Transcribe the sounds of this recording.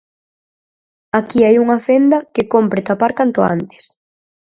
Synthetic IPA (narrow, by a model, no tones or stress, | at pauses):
akiajuŋɐfend̪ɐkɪkompɾɪt̪apaɾkant̪ʊa̰nt̪ɪ̥s